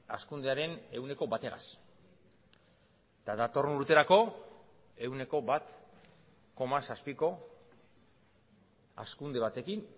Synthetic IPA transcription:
askund̪e̞aɾe̞ne̞wne̞ko̞bat̪e̞ɣa̰s | t̪aðat̪o̞ruɾt̪e̞ɾako̞ | e̞wne̞ko̞bat̪ | ko̞masaspiko̞ | a̰skund̪e̞β̞at̪e̞kin

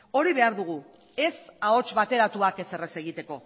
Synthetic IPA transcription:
o̞ɾiβe̞aɾðuɣ̞u | e̞sao̞t͡ʃβat̪e̞ɾat̪uake̞se̞re̞se̞ɣ̞it̪e̞ko̞

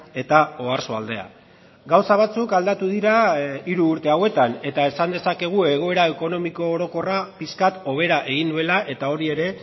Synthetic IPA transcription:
e̞t̪ao̞aɾsoald̪e̞a̰ | ɡawsaβ̞at͡sukald̪at̪uðiɾaiɾuːɾt̪e̞awe̞t̪ane̞t̪ae̞sand̪e̞sake̞ɣ̞ue̞ɣ̞o̞e̞ɾae̞ko̞no̞miko̞ːɾo̞ko̞rapiskat̪o̞β̞e̞ɾaʔe̞ɣ̞ind̪ue̞laʔe̞t̪ao̞ɾie̞ɾe̞

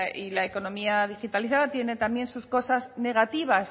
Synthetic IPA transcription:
ilaeko̞nõ̞miaðixit̪aliθaðat̪je̞ne̞t̪ambje̞nsusko̞sazne̞ɣ̞at̪iβ̞as

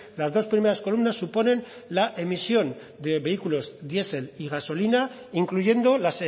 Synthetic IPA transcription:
lazðo̞spɾime̞ɾasko̞lumnasːupo̞nẽ̞n | laʔe̞misjo̞n | d̪e̞βe̞ikulo̞zd̪je̞se̞liɣaso̞lina | iŋkluʝe̞nd̪o̞lase

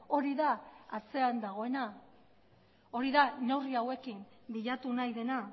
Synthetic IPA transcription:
o̞ɾiðaat͡se̞and̪aɣ̞o̞e̞na | o̞ɾiðane̞riawe̞kimbiʎat̪unajðe̞na

